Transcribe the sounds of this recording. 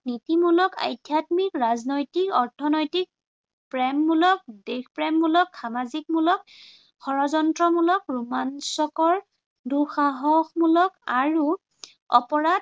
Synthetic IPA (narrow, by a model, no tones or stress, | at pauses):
nitimulɔka̰jdʱjatmikɹaznojtikɔɹtʰɔnojtik̚ | pɹɛmːulɔk̚dexpɹɛmːulɔkxamazik̚mulɔk̚ | xɔɹɔzɔntɹɔmulɔkɹumansɔkɔɹ | duxaɦɔxmulɔkaɹu | ɔ̰pɔɹat̚